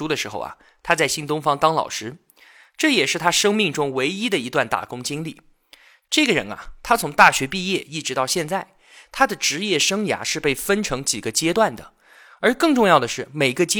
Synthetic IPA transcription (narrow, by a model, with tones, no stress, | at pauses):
u˥d̪ə˨ʂɻ̩˧˥xo̰˥˧ʊɐ̰˩ | t̪ʰa˥t͡sa˥˩ɪɕi˥nt̪ʊ˥ŋfɑ˥ŋt̪ɑ˥ŋlɑ̰˨˩ʊʂɻ̩˥ | ʈ͡ʂɤ˥˩jɛ˨˩ʂɻ̩˥˩t̪ʰa˥ʂɤ˥ŋmi˥˩ŋʈ͡ʂʊ˥ŋwe˧˥ɪi˥d̪ə˨i˧˥t̪wa˥˩nt̪a̰˨˩kʊ˥ŋt͡ɕi˥ŋli˥˩ | ʈ͡ʂɤ˥˩ɡə˩ɻə̰˧˥nɐ̰˨t̪ʰa˥t͡sʰʊ˧˥ŋt̪a˥˩ɕɥɛ˧˥pi˥˧jɛ˥˩i˥˩ʈ͡ʂɻ̩˧˥t̪ɑ˥˧ʊɕjɛ˥˧nt͡sa˥˩ɪ | t̪ʰa˥d̪ə˨ʈ͡ʂɻ̩˧˥jɛ˥˩ʂɤ˥ŋja̰˧˥ʂɻ̩˥˧pe˥˩ɪfə˥nʈ͡ʂʰɤ˧˥ŋt͡ɕi˨˩ɡə˦t͡ɕjɛ˥t̪wa˥˩nd̪ə̰˩ | ə˞˧˥kɤ˥˧ŋʈ͡ʂʊ˥˧ŋjɑ˥˩ʊd̪ə˩ʂɻ̩˥˩me˨˩ɪɡə˧t͡ɕɛ˥